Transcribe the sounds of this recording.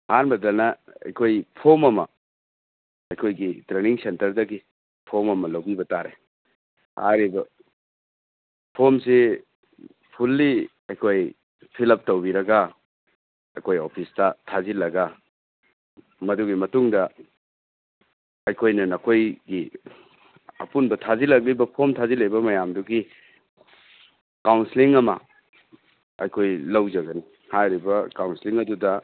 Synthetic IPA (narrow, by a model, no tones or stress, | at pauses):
hanbɐdɐnɐɐ̰jkʰojpʰomɐmɐ̰ | ɐjkʰojɡitɾeniŋsentɐɾdɐɡi | pʰomɐmɐlɐwbibɐtaɾḛ | ha̰ɾibɐ | pʰomsi | pʰulːi | ɐjkʰoj | pʰilɐp̚tɐwbiɾɐɡɐ | ɐ̰jkʰojopʰistɐtʰazilɐɡɐ | mɐduɡimɐtuŋdɐ | ɐjkʰojnɐnɐkʰojɡi | ɐ̰punbɐtʰazilɐk̬̚libɐpʰomtʰazilɐjbɐmɐjamduɡi | kawnsiliŋɐmɐ̰ | ɐ̰jkʰojlɐwd͡ʒɐɡɐni | hajɾibɐkawnsiliŋɐdudɐ